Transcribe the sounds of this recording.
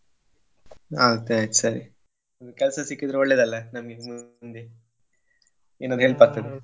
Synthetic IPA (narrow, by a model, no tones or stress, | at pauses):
aːɡɐt̪ːeaːjt̪sɐɾi | ɐd̪ukɛlɐsɐsikːid̪iɾɐɔɭːeːd̪ɐlːɐnɐmɐɡemund̪e | eːnɐnd̪ɦeːɭpɐɾt̪ːɐd̪e